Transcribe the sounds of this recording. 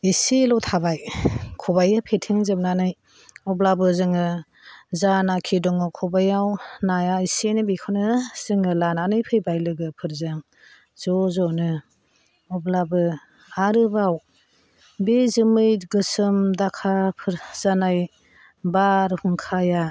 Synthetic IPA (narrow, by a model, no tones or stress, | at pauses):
iselɔwtʰabajkʰɔbajɯpʰetʰiŋzɯmnanɯj | ɔblabɯzɯŋɯ | zanakʰidɔŋɯkʰɔbajawnajaisenɯbikʰɔnɯz̥ɯŋɯlananɯjpʰɯjbajlɯɡɯpʰɯɾzaŋ | zɔzɔnɯ | ɔblabɯ | aɾɯbaw | bezɯmɯjɡɯsɯmdakʰapʰɯɾz̥anaj | baɾhuŋkʰaja